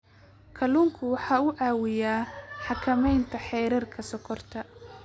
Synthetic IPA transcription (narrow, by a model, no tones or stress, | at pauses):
kʰɐluŋkʰʊwɑħɑːʊʔaːwɪjaːħɑkʰɐmɛjnt̪ʰɐħɛːɾɪrkʰɐsɔkʰɔrt̪ʰɐ